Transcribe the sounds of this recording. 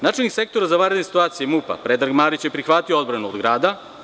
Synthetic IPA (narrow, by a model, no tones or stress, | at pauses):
naːt͡ʃelnikse̞k̚t̪o̞ɾazaʋanɾed̪nesi̥t̪uaːt̪sijemupa̰pɾed̪ɾaɡmaːɾit͡ɕjepɾixʋat̪iood̪bɾanuod̪ɡɾaːd̪a